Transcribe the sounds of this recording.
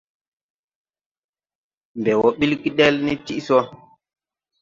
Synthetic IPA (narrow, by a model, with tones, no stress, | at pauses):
m˨bɛ˨wɔ˨ɓi˦lki˦ɗe˦lni˦ti˦ʔsɔ˦